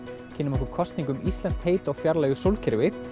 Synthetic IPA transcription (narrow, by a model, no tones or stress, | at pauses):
cʰɪːnːɪmɛhkʏɾkʰɔst̪niŋkʏmist̪lɛnst̪heːjt̪awfjaɾlaɣʏsowlcʰɪɾvɪ